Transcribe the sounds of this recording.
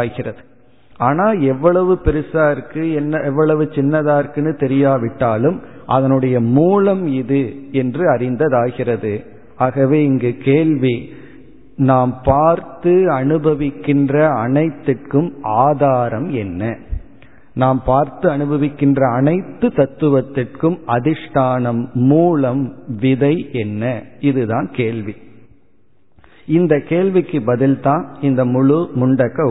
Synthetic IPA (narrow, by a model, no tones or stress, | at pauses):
ɣɪrɐðɯ | aːnaːɛʋːɐɭɐʋɯpɛɾɯsaːɾkːɯɛnːɐɛʋːɐɭɐʋɯt͡ʃɪnːɐðaːɾkɯnɯt̪ɛɾɪjaːʋɪʈːaːlɯm | ʔɐðɐnɯɽɐjɐmuːlɐmɪðɯɛndrɯɐɾɪnd̪ɐðaːɣɪrɐðɯ | aːɣɐʋeːɪŋɡeːkeːɭʋi | naːmpaːɾt̪ɯɐnɯbɐʋɪkːɪndrɐːnɐɪt̪ːɪʈkɯmʔaːðaːɾɐmɛnːɐ | naːmpaːɾt̪ɯɐnɯbɐʋɪkːɪndrɐːnɐɪt̪ːɯt̪ɐt̪ːɯʋɐt̪ːɪʈkɯmɐðɪʂʈaːnɐmːuːlɐmʋɪðɐɪɛnːɐɪðɯðãːnkeːɭʋi | ɪnd̪ɐkeːɭʋɪkːɯbɐðɪlt̪ãːnɪnd̪ɐmʊɻɯmʊɳɖɐkːɐ